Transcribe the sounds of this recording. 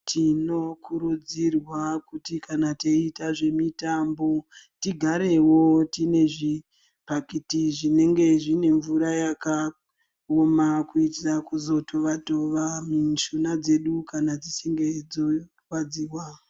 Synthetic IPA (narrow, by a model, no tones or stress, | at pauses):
tʰino̞kuɾud͡zirwakutikanateitaʐe̞mitambo̞tiɡʱaɾe̞wo̞tine̞ʐi | pakitiʐine̞ŋɡe̞ʐine̞ɱvuɾajaka | omakuitakuzo̞to̞ʋato̞ʋamiʃunad͡ze̞ɗukanad͡zisiŋɡe̞d͡zo | wad͡ziːwa